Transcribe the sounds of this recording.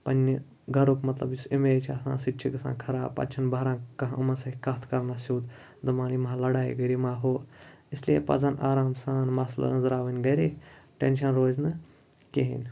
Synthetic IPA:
pɐnʲ | ɡʱɐɾukmɐt̪lɐ̰bisimeːt͡ʃʰɐsã̰ːsiʈt͡ʃʰikɐsa̰ːnkʰɐɾaːpɐ̰t͡ʃʰɐnbɐɾãːkɐɦɐmɐnsɐkɐt̪ʰkɐɾnasuːd̪ | d̪ɨmaːnimɦãlɐɽaːḭɡɐɾimaːɦoːislijepɐ̰d͡zɐnaːɾaːmsaːnmɐslɐ̰ənzɾaːʋɐnʲɡɐɾeːʈenʃɐnɾoːznɨ | keɦḭnʲ

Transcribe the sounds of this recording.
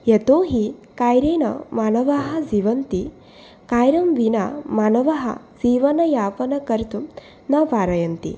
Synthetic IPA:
jɐt̪oːɦikaːjɾeːnɐ̰maːnɐʋaɦɐziʋɐnt̪i | kaːjɾɐmʋina̰maːnɐʋɐɦɐ̰ziːʋɐnɐjaːpɐnɐkɐɾt̪u | nɐʋaːɾɐjɐnt̪ḭ

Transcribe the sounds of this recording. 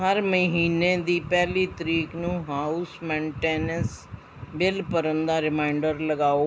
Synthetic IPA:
ɦəɾməɦiːneːd̪iːpɛːliːt̪əɾiːknũːɦaːusmɛ̃ːɳʈeːnəs | bɪlpəɾənd̪aːɾɪmaːɪɳɖəɾləɡaːoː

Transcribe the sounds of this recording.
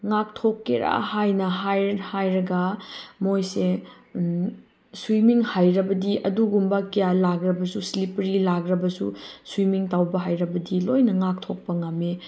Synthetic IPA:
ŋak̚tʰokːeɾa̰hajnɐɦajhajɾɐɡɐmojse | swimiŋhajɾɐbɐdiʔɐduɡumbɐkijalaɡɾɐbɐsuslipɾilaɡɾɐbɐsṵswimiŋtawbɐɦajɾɐbɐdilojnɐŋak̚tʰok̚pɐŋɐmːe

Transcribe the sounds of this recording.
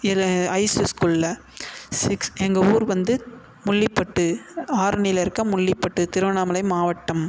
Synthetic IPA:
ɐɪsɯskuːllɐ | sɪksɛŋɡɐuːɾʋɐnd̪ɯ | mʊɭːɪpːɐʈːɯaːɾɳɪjɪlɪɾɯkːɐmʊɭːɪpːɐʈːɯt̪ɪɾɯʋɐnaːmɐlɐɪmaːʋɐʈːɐm

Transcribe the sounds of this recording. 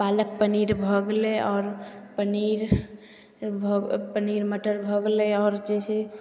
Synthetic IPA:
palək̚pəniɾbʱəɡleʔɔːɾpəniɾ | bʱpəniɾməʈəɾbʱəɡleɔːɾd͡ʒɛse

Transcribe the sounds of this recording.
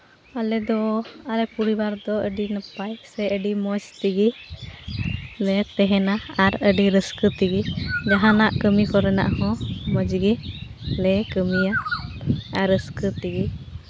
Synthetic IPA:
alɛd̪ɔalɛpuɾibaɾd̪ɔəɖinəpajsɛəɖimɔd͡ʒt̪iɡi | lɛt̪ɛɦɛnaaɾəɖiɾəskət̪iɡid͡ʒaɦãnaʔkəmikɔɾɛna̰ʔhɔ̃məd͡ʒɡilɛkəmija | aɾəskət̪iɡi

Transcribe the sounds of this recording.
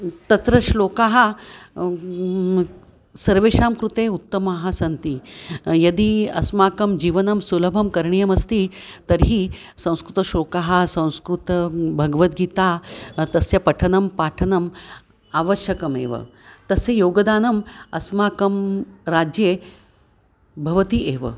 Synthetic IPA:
t̪ɐt̪ɾɐʃloːkaɦɐ | sɐɾʋeːʂaːmkɾut̪eut̪ːɐmaɦɐsɐnt̪iːjɐd̪iːɐ̰smaːkɐmd͡ʑiːʋɐnɐmsulɐbʱɐmkɐɾɳijɐmɐst̪iːt̪ɐɾɦiː | sɐ̃w̃skɾut̪ɐʃoːkaɦasɐ̃w̃skɾut̪ɐbʱɐɡʋɐt̪ɡiːt̪aːt̪ɐsjɐpɐʈʰɐnɐmpaːʈʰɐnɐm | aːʋɐʃjɐkɐmḛːʋɐ̰ | t̪ɐsejoːɡɐd̪aːnɐmɐsmaːkɐmɾaːd͡ʒje | bʱɐʋɐt̪ieːʋɐ̰

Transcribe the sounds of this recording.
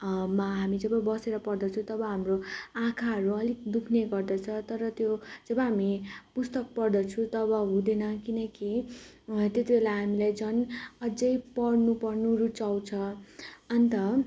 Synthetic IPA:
maɦamid͡zʌbʌbʌseɾʌpʌrd̪ʌt͡sʰũt̪ʌbʌɦamroãkʰaɦʌɾuʌlik̚d̪ukʰneɡʌrd̪ʌt͡sʰʌt̪ʌɾʌt̪jod͡zʌbʌɦamipust̪ʌk̚pʌrd̪ʌt͡sʰũt̪ʌbʌɦũd̪enʌkinʌki | t̪jet̪ibelaɦamilajd͡zʌnʌd͡zʌjpʌɽnupʌrnuɾut͡sawt͡sʰʌʌnt̪ʌ

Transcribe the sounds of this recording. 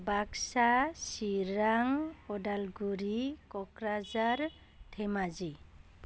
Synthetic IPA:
baksasiɾaŋɔdalɡuɾikɔkɾazaɾ | t̪ʰemad͡ʒi

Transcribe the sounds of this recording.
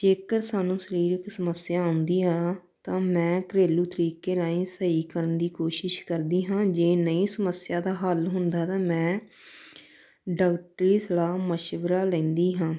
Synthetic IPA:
d͡ʒeːkəɾsaːnũːsəɾiːɾɪksəməsɪjaːõːnd̪iːɦaː | t̪ãːmɛ̃ːkɾeːluːt̪əɾiːkeːlaːĩːsəiːkəɾənd̪iːkoːʃɪʃkəɾd̪iːɦãːd͡ʒeːnəĩːsəməsɪjaːd̪aːɦəlɦʊnd̪aːt̪ãːmɛ̃ː | ɖaːk̚ʈɾiːslaːməʃʋəɾaːlɛ̃ːnd̪iːɦãː

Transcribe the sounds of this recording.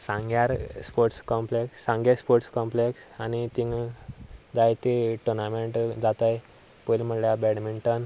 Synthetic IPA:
sãŋɡjaɾspoɾʈskɔmpleksːãŋɡespoɾʈskɔmpleksanit̪ĩŋ | d͡zajt̪eʈuɾnameɳʈd͡zat̪aj | pəjlm̤əɳljabɛɽmiɳʈən

